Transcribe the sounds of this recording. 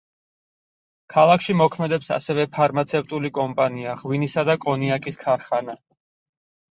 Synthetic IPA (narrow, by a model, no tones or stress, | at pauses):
kʰalˠakʃimɔkʰmɛd̪ɛpsa̰sɛvɛpʰaɾmat̪sʰɛft̪ʼulikʼɔmpʼaniaʁwinisad̪akʼɔniakʼiskʰaɾχana